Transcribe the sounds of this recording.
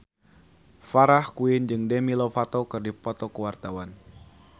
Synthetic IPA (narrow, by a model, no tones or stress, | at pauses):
faɾahkuɪnd͡ʒɨŋdɛmilofat̪ɔkɨrdipɔt̪ɔkəwart̪awan